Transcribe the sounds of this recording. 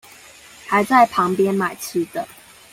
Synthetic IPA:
ha˨˦ɪt͡sa˥˩ɪpʰɑ˨˧˥ŋpjɛ˦nma˨˩ɪt͡s̩ʰ˥d̪ə˨

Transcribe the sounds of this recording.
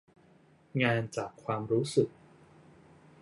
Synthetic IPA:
ŋaː˧nt͡ɕaː˨˩kʰːwaː˧mɾuː˦˥sɯ˨˩k̚

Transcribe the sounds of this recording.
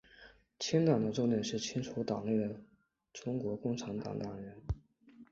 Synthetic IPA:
t͡ɕʰi˥nt̪ɑ˨˩ŋd̪ə˦ʈ͡ʂo˥˧njɛ˥˧nʂɻ̩˥˩t͡ɕʰi˥ŋt͡sʰu˧˥t̪ɑ˨˩ŋne˥˩ɪə˩ | ʈ͡ʂʊ˥ŋkwɔ˧˥kʊ˥˧ŋʈ͡ʂʰa˧˥nt̪ɑ̰˨˥ŋt̪ɑ˨˩ŋɻə˧˥n

